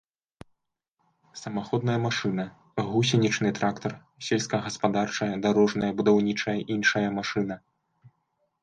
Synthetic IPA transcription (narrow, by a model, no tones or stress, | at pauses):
sɐmaxɔd̪̚nɐjɐmaʂɨnɐ | ɣusʲinʲit͡ʂnɨt̪ɾʔakt̪ɐr | sʲɛlʲskɐɣɐspad̪art͡ʂɐjɐd̪aɾɔʐnɐjɐbud̪awnʲit͡ʂɐjɐʔinʂɐjɐmaʂɨnɐ